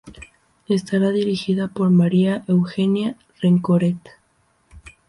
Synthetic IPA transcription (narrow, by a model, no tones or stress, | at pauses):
e̞st̪aɾaðiɾixiðapo̞ɾmaɾiaʔe̞wxe̞nja | reŋkoɾet̪